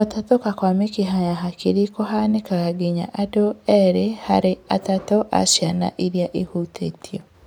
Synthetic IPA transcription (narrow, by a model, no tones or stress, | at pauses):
otatokakwamekiɦajaɦakʰiɾikoɦanekaɣaɡiɲa̰ʔadoɛɾehaɾeatatɔʔa̰sjana̰ʔiɾjaʔehutʰḛːtʰiɔ